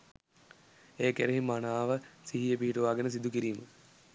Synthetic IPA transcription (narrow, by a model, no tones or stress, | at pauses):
eːkeɾeɦimanaːʋəsiɦijəp̬iɦiʈuʋaːɡenəs̬id̪ukiɾiːmə